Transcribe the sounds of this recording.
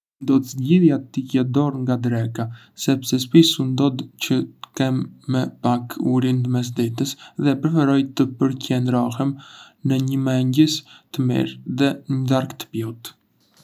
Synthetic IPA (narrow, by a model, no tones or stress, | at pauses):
nd̪ɔd̪zɟiðjat̪icɛd̪ɔɾŋɡad̪ɾɛka | sɛpsɛspisund̪ɔd̪cət̪ə̥kɛmːɛpakʰuɾind̪əmɛs̬d̪ɛt̪əsðɛpɾɛfɛɾɔjt̪əpəɾcɛnd̪ɾɔhɛm | nəɲəmɛɲɟəst̪əmḭɾðɛɲəd̪aɾkt̪ə̥pjɔt̪